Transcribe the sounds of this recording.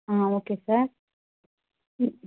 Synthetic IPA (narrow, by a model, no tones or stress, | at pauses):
ãokesaɾ